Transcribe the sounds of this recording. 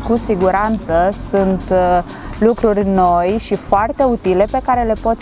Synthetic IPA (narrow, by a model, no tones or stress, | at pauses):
kusiɡuɾant̪səsunt̪ | lukɾurʲno̞jʃifoart̪e̞ut̪ile̞pe̞kaɾe̞le̞po̞t̪s